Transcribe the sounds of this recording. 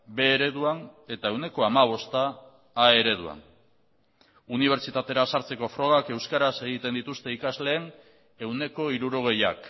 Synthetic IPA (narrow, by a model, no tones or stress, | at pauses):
be̞ːɾe̞ðuane̞t̪ae̞wne̞ko̞amaβ̞o̞st̪aː | e̞ɾe̞ð̞ua̰n | uniβ̞e̞ɾt͡ʃit̪at̪e̞ɾasaɾt͡se̞ko̞fɾo̞ɣ̞ake̞wskaɾase̞ɣ̞it̪e̞nd̪it̪ust̪e̞ikazle̞ːn | e̞wne̞ko̞iɾuɾo̞ɣ̞e̞ja̰k